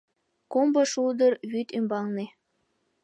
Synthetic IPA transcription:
kombɤʃuld̪ɤrβyt̪ymbɑŋne

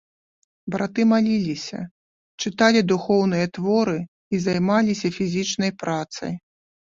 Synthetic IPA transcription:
bɾʔat̪ɨmalʲilʲisʲɐ̰ | t͡ʂɨt̪alʲid̪uxɔwnɨjɐt̪vɔɾɨ | izajmalʲisʲɐfʲizʲit͡ʂnɐjpɾat̪sɐ̰j

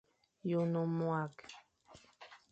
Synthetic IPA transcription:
jʊnʊmuak

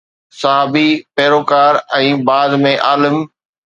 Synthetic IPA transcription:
sɐɦaːbipeːɾoːkaːɾɛ̃ːbaːd̪mẽʔaːləm

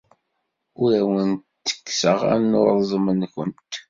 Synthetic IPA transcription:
ʊɾæwənt̪t̪ːə̥kːsəʁæ̰noɾˤzˤəmənkʷənt̪

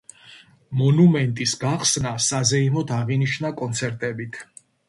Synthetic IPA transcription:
mɔnumɛnt̪ʼisɡaχsnasazɛimɔd̪ʰaʁiniʃnakʼɔnt̪sʰɛɾt̪ʼɛbit̪ʰ

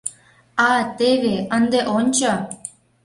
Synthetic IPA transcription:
ɑt̪eβeənd̪eʔonʲt͡ɕo

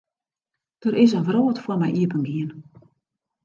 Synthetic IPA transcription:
d̥əɾɪs̬ənʋroːtfwərmɛjʔiəpənɡiən

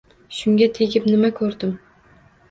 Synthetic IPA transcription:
ʃʊŋɡʲat̪ʰeɡʲɪpnɪmakʰɵɾd̪ɪm

